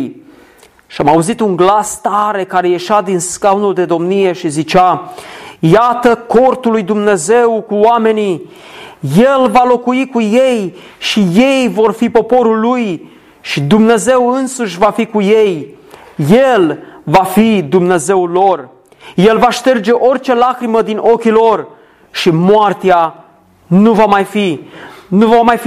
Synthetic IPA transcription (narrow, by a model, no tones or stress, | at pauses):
ʃiamauzit̪uŋɡlast̪aɾe̞kaɾe̞je̞ʃad̪inskawnuld̪e̞d̪o̞mnije̞ʃizit͡ʃa | jat̪əko̞rt̪ulːujd̪umne̞ze̞wkuoame̞ni | je̞lvalo̞kuikuje̞j | ʃije̞jvo̞rfipo̞po̞ɾulːuj | ʃid̪umne̞ze̞wɨnsuʃʲvafikuje̞j | je̞lvafid̪umne̞ze̞wlo̞r | je̞lvaʃt̪e̞rd͡ʒe̞ʔo̞rt͡ʃe̞lakɾiməd̪inʔo̞kʲilo̞r | ʃimoart̪ea | nuvamajfinuvamajf